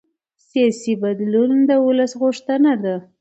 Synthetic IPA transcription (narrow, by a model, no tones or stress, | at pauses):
sjɑsibad̪lund̪əwʊləsɣʊʂt̪ənad̪a